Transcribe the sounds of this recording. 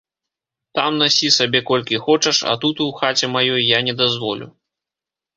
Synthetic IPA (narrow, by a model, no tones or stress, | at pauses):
t̪amnasʲisabʲɛkɔlʲkʲixɔt͡ʂɐʂɐ̰t̪ut̪uwxat͡sʲɛmajɔjːanʲɛd̪azvɔlʲṵ